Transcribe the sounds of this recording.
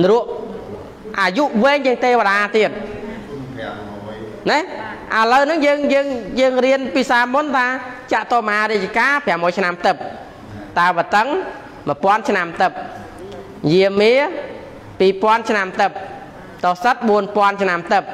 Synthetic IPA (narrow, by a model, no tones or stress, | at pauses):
nruəʔ | ʔaːjuʔʋɛːɲjəŋt̪eːʋəɗaːt̪iət̪̚ | nɛhʔələwnɨŋjəːŋjəːŋjəːŋriənpiːsaːmʊnt̪ʰaːt͡ɕaʔt̪oːmɦaːɾit͡ɕkaːpʰɛamojt͡ɕʰnamt̪ɨp̚ | t̪aɛʋət̪əŋ | məəpŏənt͡ɕʰnamt̪ɨp̚ | jiəmiə | piːpŏənt͡ɕʰnamt̪ɨp̚ | t̪ohsət̪̚ɓuənpŏənt͡ɕʰnamt̪ɨp̚